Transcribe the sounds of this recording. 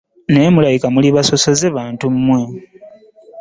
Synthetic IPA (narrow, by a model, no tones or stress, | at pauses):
ne̞ːmulajikamuliβaso̞so̞zeβaːntumːwe̞